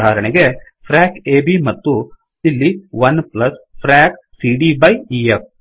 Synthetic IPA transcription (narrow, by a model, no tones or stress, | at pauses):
aːɾɐɳeɡe | pʰɾaːkeːbimɐt̪ːu | ilːiʋɐnplɐspʰɾaːk | siɖibɐjief̚